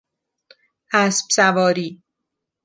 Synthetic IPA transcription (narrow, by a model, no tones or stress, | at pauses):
hæsb̥sævɒːɾiː